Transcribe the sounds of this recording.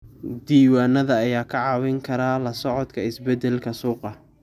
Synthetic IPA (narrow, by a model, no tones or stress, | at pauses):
d̪iːwaːnɐðɐːjaːkʰɐʕɑːwɪŋkʰɐɾaːlɐsɔʕɔd̪kʰɐɪsbɛd̪ɛlkʰɐsuːqɑ